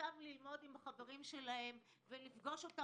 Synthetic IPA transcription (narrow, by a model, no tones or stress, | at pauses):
amlilmo̞d̪imaχave̞ʁimʃe̞lahe̞m | velifɡo̞ʃo̞ta